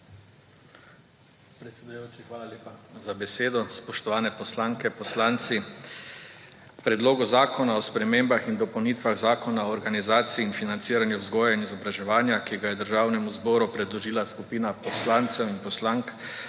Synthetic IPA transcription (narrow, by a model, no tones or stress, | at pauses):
pɾɛt̪sʲɛd̪ujoːt͡ʃixʋaːlalʲeːpazabɛseːd̪ɔspɔʃt̪ɔʋaːnɛpɔslaːŋkɛpɔslant̪si | pɾɛd̪loːɡɔzaːkʰɔnaɔspɾɛmeːmbaxind̪ɔpɔwniːt̪ʋaɣzaːkɔnaɔːɾɡanizaːt̪siːnfinant̪siːɾanjuzɡɔːjainizɔbɾaʒɛʋaːnjakiɡajɛd̪əɾʒaːwnɛmuzbɔːɾupɾɛd̪lɔʒiːlaskupiːnapɔslaːnt̪sɛwinpɔslaŋk